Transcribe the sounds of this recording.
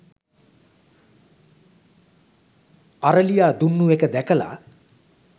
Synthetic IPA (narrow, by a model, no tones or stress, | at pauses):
aɾəlijaːd̪unːuekəd̪ɛkəla̰